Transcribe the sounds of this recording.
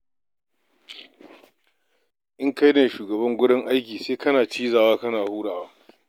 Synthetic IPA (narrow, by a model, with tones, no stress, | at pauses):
ʔɪ˦ŋka˦jneː˨ʃuː˨ɡɐ˨bɐ˦ŋɡʷʊ˦ɽɪ˦ŋʔa˦jkʲiː˨seː˦kɐ˦naː˨t͡ʃiː˦zaː˨waː˦kɐ˦naː˨huː˦ɽaː˨waː˦